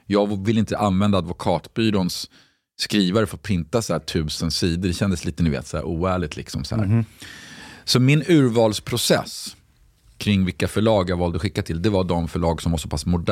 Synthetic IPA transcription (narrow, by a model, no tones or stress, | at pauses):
jɑːɡvɪlːɪnt̪əʔanvɛnd̪ad̪vʊkʰɑːt̪byːɾʊnsː | kɾiːvaɾəfœpʰɾɪnt̪asahæːʈʰʉ̟ːsənsiːd̪əɖɛɕɛnd̪əsliːt̪ənɪvḛːt̪sɔæ̰ɾuːæːɭɪɡ̚t̪lɪ̰ksɔmsɔhæ̰ɾ | sɔmɪnʉ̟ːɾvɑːlspʰɾʊsɛ̰s | kʰɾɪŋːvɪlkːafœɭɑːɡjavɑːld̪əɔɧɪkːat̪ʰɪld̪ɛvaɖ̪ɔmfœɭɑːɡsɔmvasɔpʰasmʊɖ